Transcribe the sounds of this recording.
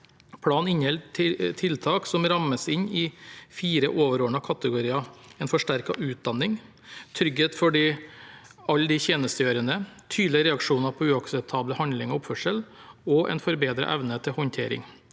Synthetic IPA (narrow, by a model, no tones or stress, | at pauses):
pʰɽɑːnɪnhɛlʰt̪ʰɪlt̪ʰɑːksɔmɾɑmːəsɪɲɪfiːɾəʔoːʋəɾoːɳɑkʰɑt̪əɡʊɾiːɑɛnfɔʂʈæɾkɑʔʉːt̪̚d̪ɑnːɪŋ | t̪ʰɾʏɡheːt̪fɔɖiː | ɑlːd̪ɪçeːnəst̪əjøːɾənət̪ʰyːd̪lɪəɾɛɑkʂuːnɑpʰɔʉːɑksɛp̚t̪ʰɑːbləhɑnlɪŋɔʊpfœʂəlɔʔɛ̰nfɔɾbeːd̪ɾə̰ʔɛʋnət̪ʰɪlhɔnt̪ʰḛːɾɪ̰ŋ